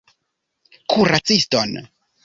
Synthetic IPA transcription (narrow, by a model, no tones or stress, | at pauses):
kʰuɾat͡siston